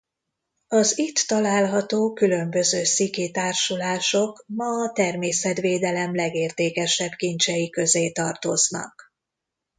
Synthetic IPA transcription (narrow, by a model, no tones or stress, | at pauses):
ɒzit̪ːɒlaːlɦɒt̪oːkylø̞mbø̞zøːsiket̪aːrʃulaːʃo̞kmɒːt̪ɛrmeːsɛt̪ʋeːd̪ɛlɛmlɛɡeːrt̪eːkɛʃɛbkint͡ʃɛjikø̞zeːt̪ɒrt̪o̞znɒ̰k